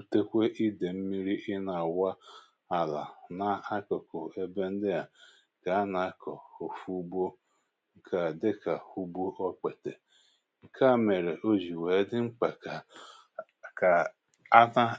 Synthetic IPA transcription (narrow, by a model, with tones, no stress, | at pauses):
u˨te˦kʷe˦ʔi˦de˨m̩˦mi˦ɾi˦ʔɪ˦na˨wa˦ | a˨la̰˨na˨a˦kɔ˨kʊ˨e˦be˦n̩˦dɪ˦ja˨ | ka˨˦a˦na˨kɔ˨o˨fu˦bo˦ | ŋ̩˦kʰa˨dɪ˦ka˨u˦bu˦ʔɔ˦k͡pe˨te˨ | ŋ̩˨kʰa˦˨me˨ɾe˨ʔo˦ʒi˨we˨˦dɪ˦ŋ͡m̩˦k͡pa˨ka˨ | ka˨ | a˦na˦